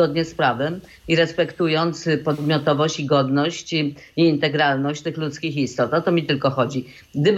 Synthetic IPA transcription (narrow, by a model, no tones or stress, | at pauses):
ɔd̪ɲɛspɾavɛ | iɾɛspɛkt̪ujɔnt̪spɔd̪mʲjɔt̪ɔvɔɕt͡ɕiɡɔd̪nɔɕt͡ɕ | iːnt̪ɛɡɾalnɔɕt͡ɕt̪ɘxlut̪skʲixist̪ɔt̪ɔt̪ɔmʲit̪ɘlkɔxɔd͡ʑi | ɡd̪ɘb